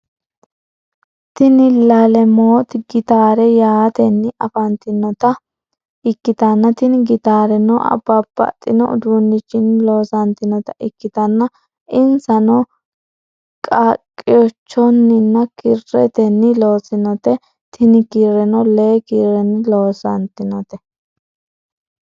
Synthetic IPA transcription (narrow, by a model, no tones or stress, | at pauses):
t̪ɪnɪlɐlɛmoːt̪ɡɪt̪aːɾɛjaːt̪ɛnːɪʔɐfɐnt̪ɪnːɔt̪ɐ | ɪkːɪt̪ɐnːɐt̪ɪnɡɪt̪aːɾɛnɔɐ̰bɐbɐ̰t̪ʼːɪnɔʊd̪unːɪt͡ʃːɪnlo̞ːsɐnt̪ɪnɔt̪ɐʔɪkːɪt̪ɐnːɐ | ɪnsɐnɔ | kʼakʼːɪjɔt͡ʃːɔnːɪnːɐkɪrːɛ̰t̪ɛnːɪlo̞ːsɪnɔt̪ɛ | t̪ɪnɪkiɾɛnɔleːkiːɾɛnɪlo̞ːsɐ̰nt̪ɪnɔt̪ɛ